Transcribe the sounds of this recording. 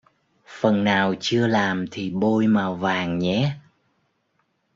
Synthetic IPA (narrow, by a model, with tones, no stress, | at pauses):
fə˨˩nːaː˨˩wt͡ɕɨ˧əlaː˨˩mt̪ʰi˨˩ɓo˧jmaː˨˩wvaː˨˩ŋɲɛ˨˦